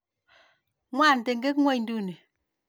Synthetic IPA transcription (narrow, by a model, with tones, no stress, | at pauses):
ŋwa˦˨n˨te˨ŋɡe˦kŋwɛ˦jn˦du˦ne˨